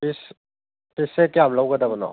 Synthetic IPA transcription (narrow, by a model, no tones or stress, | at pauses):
is | pisekjamlawɡɐdabɐnɔ̰